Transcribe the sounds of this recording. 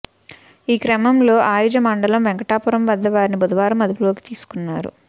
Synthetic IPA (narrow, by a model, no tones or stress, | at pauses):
iːkɾɐmɐmlo̞ːʔaːjud͡ʒɐmɐɳɖɐlɐmʋɛŋkɐʈaːpuɾɐmʋɐd̪ːɐʋaːɾinibɐd̪uʋaːɾɐmːɐd̪ɐpulo̞ːki̥t̪iːsu̥kunːaːɾṵ